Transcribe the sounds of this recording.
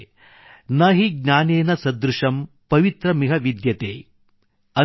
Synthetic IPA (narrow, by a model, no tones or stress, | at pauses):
nɐɦiɡnʲaːneːnɐsɐd̪ɾuʂɐm | pɐʋit̪ɾɐmiɦɐʋid̪jɐt̪eː | ɐ